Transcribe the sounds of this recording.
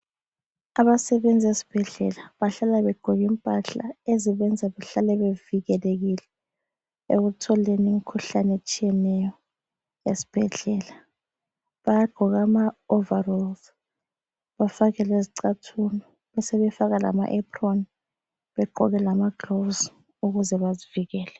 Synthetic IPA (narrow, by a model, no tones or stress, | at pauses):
aβasɛβend͡zʱesi̥b̥ʱɛɮɛ̰laβaɬalaβɛɡ͡ǃ̥ʱɔɣim̩pʼaɬa̰eziβɛnd͡zʱaβɛɬalɛβeviɣɛleɣilɛ | ḛɣutʰɔlenimikʰuɬanet͡ʃʼijɛnɛjɔ | esi̥b̥ʱɛɮɛːla | βajaɡ͡ǃ̥ʱɔɣamaovarɔlz | βafaɣɛleziǀatʰunɔ | βɛsɛβɛfaɣala̰ma̰ʔɛpʰron | βɛɡ͡ǃʱɔ̰ɣɛlamaɡ̥rovz | uɣuzɛβaziviɣɛːlɛ